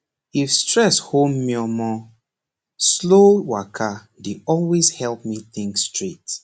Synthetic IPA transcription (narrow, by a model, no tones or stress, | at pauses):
ifstɹɛshomːiɔmɔ | slowakʰa | deɔlwezhɛlp̚miθĩŋkstɹet